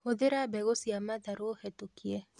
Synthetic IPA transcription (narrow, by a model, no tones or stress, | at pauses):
oðɪɾabɛɣosiamad̪aɾohɛtokjɛ